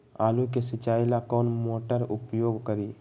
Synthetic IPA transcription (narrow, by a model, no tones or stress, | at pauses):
aːluk̬esɪt͡ʃaːɪlakɔːnmoːʈəɾʊpjoːɡkəɾiː